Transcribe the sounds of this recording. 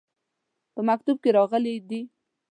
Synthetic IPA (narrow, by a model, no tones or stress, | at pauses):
pəmak̚t̪ub̚keɾɑɣəled̪i